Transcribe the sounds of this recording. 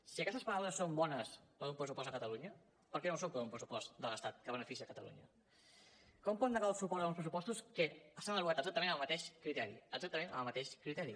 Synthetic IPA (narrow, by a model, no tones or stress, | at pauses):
siəkɛst̪əspəɾawləsːombɔnəspəðumpɾəsupɔst̪əkət̪əluɲə | pəɾkɛnosompəðumpɾəsupɔst̪d̪ələst̪at̪̚kəβənəfisiəkət̪əlṵɲə | kɔmpɔnd̪əɣasupɔɾt̪əunspɾəsupɔst̪uskəəsanəβuat̪əɡzak̚t̪əmẽnəlˠmət̪eʃkɾit̪ɛɾḭəɡzak̚t̪əmẽnəəlˠmət̪eʃkɾit̪ɛɾi